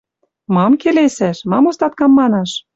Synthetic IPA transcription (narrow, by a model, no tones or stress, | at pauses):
mɑmkelesæʃmɑmost̪ɑt̪̚kɑmːɑnɑʃ